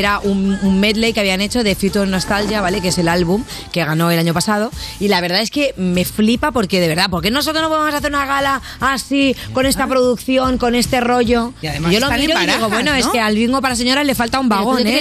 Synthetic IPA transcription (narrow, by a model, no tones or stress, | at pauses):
eɾaʔunummed̪lejkeaβiane̞t͡ʃo̞ðe̞fjut̪ono̞st̪alʝjaβale̞ke̞se̞lalβum | ke̞ɣano̞e̞laɲo̞pasað̞o̞ilaβ̞e̞ɾðae̞ske̞me̞flipapo̞ɾkeðe̞βe̞ɾðapo̞ɾk̬e̞nos̬ot̪ɾonopoðemsaθeɾunaɣ̞alaː | siko̞ne̞st̪apɾo̞ðukθjo̞ŋko̞ne̞st̪e̞ro̞ʝo̞iʝo̞lommiiɾoiðiɣoβwenoeskealβiŋɡopaɾas̬e̞ɲo̞ɾazle̞falt̪aumbaɣo̞nne